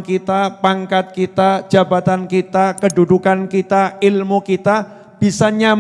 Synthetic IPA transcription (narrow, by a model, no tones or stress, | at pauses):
kit̪apaŋkat̪̚kit̪ad͡ʒ̥abat̪ankit̪akədudukankit̪aʔilmukit̪a | b̥isaɲam